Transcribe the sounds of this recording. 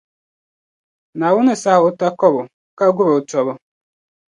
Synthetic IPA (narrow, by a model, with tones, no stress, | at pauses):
na˨wʊ˦ne˨sa˦ɦʊ˦ta˦kɔ˦bʊ˨ | ka˦ɡʊ˦ɾʊ˨t͡ʃɔ˦βʊ˦